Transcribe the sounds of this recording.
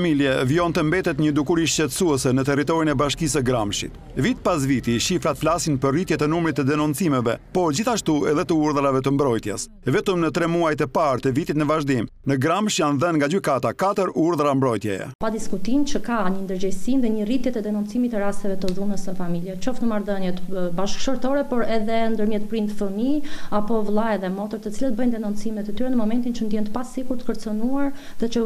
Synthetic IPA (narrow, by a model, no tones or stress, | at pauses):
miljɛviɔnt̪əmbɛt̪ɛt̪ɲəd̪ukuɾiʃcɛt̪əsuɛsɛnət̪ɛrit̪̬ɔɾinɛbaʃkis̬əɡɾamʃḭt̪ | vit̪pas̬vit̪iʃifɾat̪flasinpəɾrit̪jɛt̪ənumɾit̪ːəd̪ɛnunt͡simɛvɛpɔɾd͡ʑiθaʃt̪uɛðɛt̪əuɾðəɾavɛt̪əmbɾɔjt̪jɛs | vɛt̪əmnət̪ɾɛmuajt̪əpaɾt̪əvit̪it̪nəvaʒd̪imnəɡɾamʃjanðənŋɡad͡ʑykat̪akat̪əɾuɾðəɾambɾɔjt̪jɛ̰jɛ̰pad̪iskut̪imt͡ʃəkaɲənd̪əɾd͡ʑɛjsinðɛɲərit̪jɛt̪ɛd̪ɛnunt͡simit̪ɛɾast̪ɛvɛt̪əðunəsəfamiljɛt͡ʃɔfnəmaɾðənjɛt̪baʃkʃɔɾt̪ɔɾɛpɔɾɛðɛnd̪əɾmjɛt̪̚pɾinəfəmiapɔvlˠajɛðɛmɔt̪əɾt̪ət͡silɛt̪̚bəjnd̪ɛnunt͡simɛt̪ət̪yɾɛnəmɔmɛnt̪int͡ʃənd̪jɛnt̪əpasikuɾt̪ə̥kəɾt͡sənuaɾ | ðɛt͡ʃə